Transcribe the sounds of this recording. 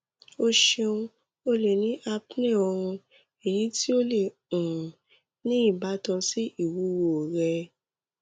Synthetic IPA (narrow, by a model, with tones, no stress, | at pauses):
o˦ʃe˧ũ˧ | o˦le˨nĩ˨˦ʔa˧pnɛ̃˦˨ɔ˧ɾ̃ũ˧ | e˨ji˨˦ti˦o˦le˨ | ũ˨ | nĩ˦i˦˨ba˨˦tã˧si˦i˦˨wu˨˦wo˨ɾɛ˧